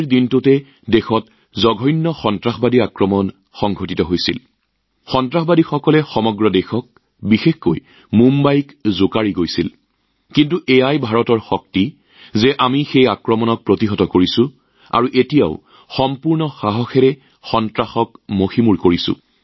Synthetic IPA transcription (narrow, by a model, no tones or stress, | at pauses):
ɹdintʊtɛ | dexɔt | zɔɡʱɔjnːɔxɔntɹaxɔbadiakɹɔmɔn | xɔŋɡʱotitɔɦojsil | xɔntɹaxɔbadixɔkɔlɛxɔmɔɡɹɔdɛxɔk̚ | bixexkoj | mumbajkzokaɹiɡojsil | kintuʔɛjajbʱaɹɔtɔɹxɔk̚ti | zɛʔamixejakɹɔmɔnɔk̚pɹotiɦɔtɔkoɹisʊ̃ | a̰ɹuʔetijaʊ | xɔmpuɹnɔxaɦɔxɛɹɛ | xɔntɹaxɔkmoximuɹkoɹisʊ̰̃